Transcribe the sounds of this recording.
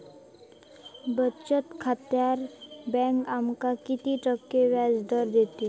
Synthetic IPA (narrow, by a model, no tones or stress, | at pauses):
bət͡ɕət̪kʰat̪jaɾbɛ̃ŋkamkakit̪iʈəkːeʋjad͡zd̪əɾd̪et̪i